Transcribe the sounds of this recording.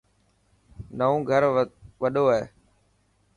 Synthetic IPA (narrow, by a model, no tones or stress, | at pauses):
nəõːɡʱəɾʋəɗoːaɦeː